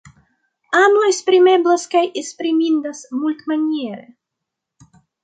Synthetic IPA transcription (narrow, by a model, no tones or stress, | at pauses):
amoespɾimeblaskajespɾimind̪asmult̪manʲieɾe